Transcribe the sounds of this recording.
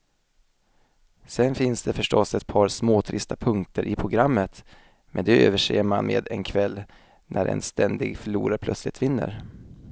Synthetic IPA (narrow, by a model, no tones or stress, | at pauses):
sɛnfɪnsd̪ɛfœʂʈɔsɛt̪̚pʰɑːɾsmoːt̪ʰɾɪst̪apʰɵŋkt̪əɾʔɪpʰɾʊɡɾamːət̪ | mʔɛnd̪ɛøːvəʂḛːɾmanmʔḛːd̪ɛnkʰvɛlː | nʔæɾʔɛ̰nst̪ɛnd̪ɪɡfœɭuːɾaɾpʰlœt̪slɪt̪vɪnːə̰ɾ